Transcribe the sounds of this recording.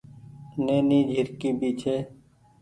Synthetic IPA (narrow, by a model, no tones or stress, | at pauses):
neːniːd͡ʒʱɪɾkiːbiːt͡ʃʰeː